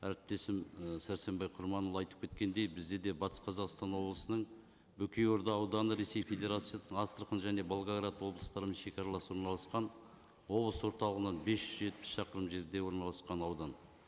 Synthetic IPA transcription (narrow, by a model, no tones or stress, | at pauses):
æ̰ɾɪp̚t̪e̞sɪmsæɾse̞mbɑjqʰʊɾmɑnolˠɑjt̪əp̚kʲʰe̞t̪̚kʲe̞nd̪e̞jbɪzd̪e̞d̪e̞bɑt̪ʰə̥sqʰɑzɑqst̪ɑnwo̞blˠəsənəɴ | bɵkʲejo̞ɾd̪ɑːwd̪ɑnəɾe̞se̞jfe̞d̪ʲe̞ɾat̪sijasəɴɑst̪əɾqənʒæne̞bolˠɡaɡɾat̪wo̞blˠəst̪ɑɾəməzʃe̞kʲɑɾɑlˠɑswoɾnɑlˠɑsqɑn | wo̞blˠəswo̞ɾt̪ɑlˠəʁənɑnbe̞sʒʏzʒe̞t̪̚pɪ̥sʃɑqəɾəmʒe̞ɾd̪e̞wo̞ɾnɑlˠɑsqɑnɑwd̪ɑn